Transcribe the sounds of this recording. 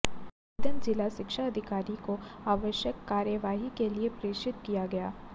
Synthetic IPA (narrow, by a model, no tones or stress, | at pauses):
d̪ənzɪlaʃɪkʃaɐd̪ʱɪkaːɾikoaːʋəʃjəkːaːɾjəʋaːɦikeliepɾeːʃɪt̪kijaɡɐjaː